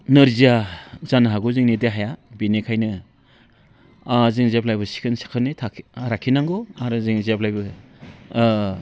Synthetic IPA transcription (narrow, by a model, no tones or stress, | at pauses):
nɯɾziazanaɦaɡuziŋnideɦajabinekʰajnɯ | azɯŋzep̚lajbɯsi̥kʰɯnsi̥kʰɯnitʰaɾakʰːinaŋɡɔaɾɯziŋzeplajbɯ